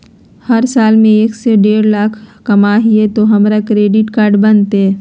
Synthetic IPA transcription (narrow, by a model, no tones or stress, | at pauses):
həɾsaːlmẽeːkseɖeːɾlaːkʰkɐmaɦiet̪oɦɐmɾakɾeːɖɪʈkaːɾɖbənt̪ɦɛ